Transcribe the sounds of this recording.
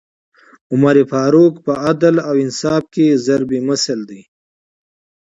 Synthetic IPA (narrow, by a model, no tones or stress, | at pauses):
ʊmaɾifɑːɾukpəad̪alawɪnsɑːfkezaɾbiməsəld̪i